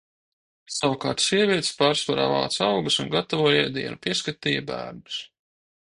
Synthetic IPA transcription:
savukɑ̰ːɾt̪siɛvʲiɛt̪spɑːɾsvaɾa̰ːvɑ̰ːt̪sawɡsunɡat̪avuɔjɛd̪ḭɛnupiɛskat̪iːjabæ̰ːɾnu̥s

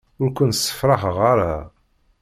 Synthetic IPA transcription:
ʊɾkʷənəsːə̥fɾˤɑɦʁaɾˤa

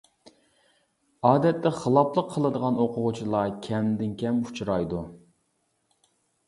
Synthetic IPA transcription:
ɑːd̪ɛt̪ːɛχəlˠɑplˠəqʰːəlˠɨd̪əʁɑnoqʰʊʁut͡ʃʰilˠɑkʲʰɛmd̪ɪnkʲɛmut͡ʃʰɾɑjd̪u

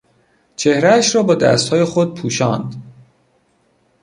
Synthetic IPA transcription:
t͡ʃʰe̞hɾæːʃrɒːbɒːd̪æ̰st̪hɒːjexo̞d̪̚pʰuːʃɒ̰ːnd̪

